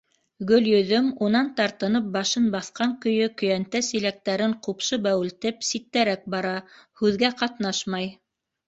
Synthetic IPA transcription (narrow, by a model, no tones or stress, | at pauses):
ɡɵ̆ljɵ̆ðɵmunɑnt̪ɑɾt̪ɤ̆nɤp̚bɑʃɤnbɑθqɑŋkɵ̆jɵkɵ̆jænt̪æsilæk̚t̪æɾɘɴqupʃɤbæwɘ̆lt̪ɘpsit̪ːæɾæk̚bɑɾɑhʉðɡæqɑt̪nɑʃmɑj